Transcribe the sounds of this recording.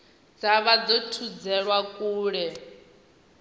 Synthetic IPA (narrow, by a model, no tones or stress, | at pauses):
d͡zaβad͡zɔtʰud͡zɛɺwakʼuːɺɛ